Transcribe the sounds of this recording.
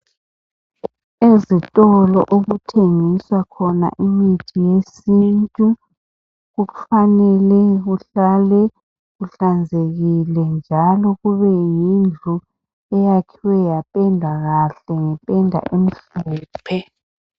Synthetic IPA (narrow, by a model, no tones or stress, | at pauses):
ezitʼɔlɔʔoɣutʰeŋiswakʰɔna̰ʔimitʰijesintʼu | ɣufanɛlɛɣuɬalɛ | ɣuɬand͡zʱeɣilɛnd͡ʒʱalɔɣuβɛjind͡ɮʱu | ɛjakʰiwɛjapʼɛndʱaɣaɬɛŋɛpʼɛndʱa̰ʔem̩ɬuːpʰɛ